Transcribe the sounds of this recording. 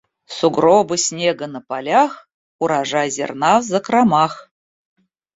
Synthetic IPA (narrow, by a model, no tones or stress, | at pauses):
suɡrobɨsʲnʲeɡə̆nəpɑlʲɑχ | uɾɑʐɑjzʲḛrnɑvzəkrɑmɑχ